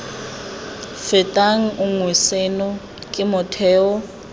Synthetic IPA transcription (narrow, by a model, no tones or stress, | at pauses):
fɛtʼaŋ̩ʊŋwisenʊ | kʼɪmɔtʰɛːɔ